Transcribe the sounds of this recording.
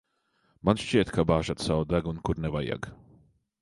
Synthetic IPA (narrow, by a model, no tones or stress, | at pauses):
manʃt͡ʃiɛt̪kʰabaːʒat̪sawd̪aɡunkuɾnɛvaja̰ɡ